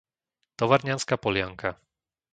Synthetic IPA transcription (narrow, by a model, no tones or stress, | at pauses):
t̪ɔʋaɾɲanskapɔlɪaŋkʰa